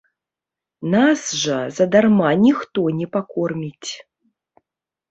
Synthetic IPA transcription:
nasʐɐzɐd̪armanʲixt̪ɔnʲɛpakɔrmʲit͡sʲ

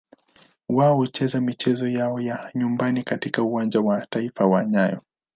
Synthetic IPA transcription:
waɔɔt͡ʃɛzamit͡ʃɛzɔjaɔjaɲumbanikatikauwand͡ʒawataifawaɲajɔ̰

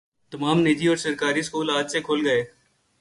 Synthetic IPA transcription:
t̪ɐmaːmneːd͡ʒ̪iɔːɾsɐɾkaːɾiskuːlaːd͡ʒsekʰoːlɡɐeː

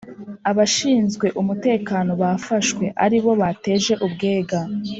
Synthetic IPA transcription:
aβaʃiːnzɡwe̞ʔumute̞ːkaːno̞βafaʃkwe̞ʔa̰ɾiβo̞βate̞ːʒe̞ʔubɡe̞ːɡa

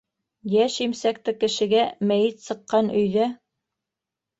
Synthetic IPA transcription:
jæʃimsæk̚t̪ɘkɘ̆ʃɘ̆ɡæmæjɘt̪sɤ̆qːɑnɵ̆jðæ

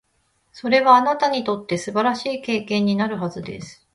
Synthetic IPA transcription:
so̞ɾe̞βaːnat̪aɲ̟it̪o̞t̪ːe̞sɨbaɾaɕiːke̞ːkẽ̞ɲ̟ːinaɾɯ̟ɦazɨd̪e̞̰sɨ̥

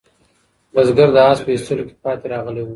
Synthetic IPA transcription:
bazɡaɾd̪əɑːspəist̪əloke̥pɑːt̪eɾɑɣəlewu

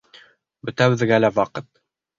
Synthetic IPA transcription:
bɵ̆t̪æβɘ̆ðɡælæwɑqɤt̪

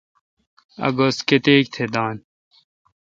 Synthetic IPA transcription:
ɐ̰ɡosket̪eːkt̪ʰed̪aːn

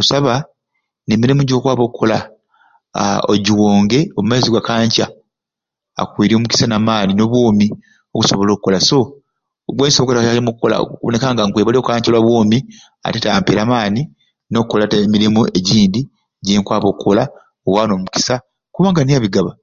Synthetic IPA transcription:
kusaβa | nemiɾimuɟo̞ːkwaːβo̞kʰːola | o̰ɟiwoːŋɡe̞omumaziɡwakaːɲca | a̰kwiːɾiomuki̥sanaːmaːnino̞βwoːmi | o̞ku̥so̞βolo̞ːkukolaso̞ | ɡweːnsokotaalimukukːola̰knekaːŋɡaŋkweːβaleokkaːɲcolwaβwoːmi | a̰tetampeɾaːmaːni | no̞kukːolatmiɾimueɟiːndi | ɟeːŋkwaːβo̞kːola | owano̞ːmuki̥sa | kuβaːŋɡanijaβiɡaβa

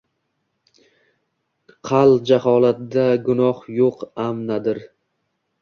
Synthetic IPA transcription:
qʰɑlˠd͡ʒahɒlˠat̪̚d̪aɡʊnɒhjoqamnad̪ɪɾ

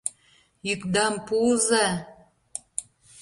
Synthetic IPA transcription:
jykd̪ɑmpuzɑ

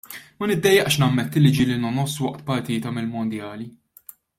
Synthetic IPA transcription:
mɐnɪd̪ːɛjːɛʔʃnɐmːɛt̪ːɪlːɪd͡ʒilinɐnɔsːwɐʔt̪pɐɾt̪iːt̪ɐmɪlmɔnd̪jɐːli

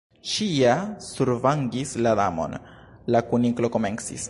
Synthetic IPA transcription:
t͡ʃiasuɾvaŋɡislad̪amo̞̰nlakuniklo̞ko̞me̞nsḭs

